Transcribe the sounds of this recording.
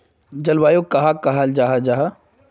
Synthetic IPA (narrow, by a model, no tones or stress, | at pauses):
d͡ʒɐlʋaːjokɐɦakaɦald͡ʒaɦad͡ʒaːɦa